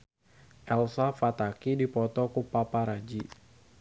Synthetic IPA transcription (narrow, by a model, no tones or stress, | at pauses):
ʔɛlsafat̪akidipɔt̪ɔkupapaɾad͡ʒi